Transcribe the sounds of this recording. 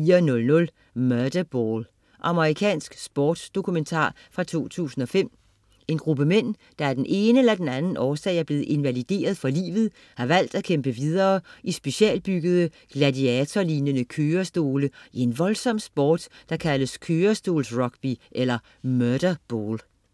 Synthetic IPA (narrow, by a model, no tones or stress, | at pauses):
fiːɐnɔ̽lnɔ̽l | mœd̥ɐb̥ol | ʔɑ̈məʁikʰɛ̰ːnsɡ̥sb̥ɒːd̥sd̥o̝kʰument͡sʰɑ̰̈ː | fʁɑ̈t͡sʰo̝̰ːt͡sʰṵːsn̩ɒ̽fem̰ | e̝nɡ̥ʁub̥əmen̰ | d̥ɑ̈æɐd̥enʔe̝ːnəelɐd̥enænn̩ʔɒːsɛ̰ːɪæɐb̥le̝ːð̩ˠe̝nʋælid̥e̝̰ːɐð̞̩ˠfɒlḭːʋð̞̩ˠ | hɑ̈ʋæl̰d̥ækʰemb̥əʋið̞ˠɐːʔisb̥e̝ɕiɛ̰ːlb̥yɡ̥əð̞̩ˠə | ɡ̥lædiɛt͡sʰɒliːnənəkʰøːɐsd̥o̝ːləie̝nʋɒ̽lsɒ̽m̰sb̥ɒːd̥ːɑ̈kʰæləskʰøːɐsd̥o̝̰ːlsʁɒ̽ɡ̥b̥iʔelɐ | møɐd̥ɐb̥oːl